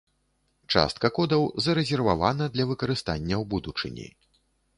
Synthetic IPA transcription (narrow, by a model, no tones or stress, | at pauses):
t͡ʂa̰st̪̚kɐkɔd̪ɐwzɐɾɛzʲɛrvavanɐd̪lʲɐvɨkɐɾɨst̪anʲːɐwbud̪ut͡ʂɨ̰nʲḭ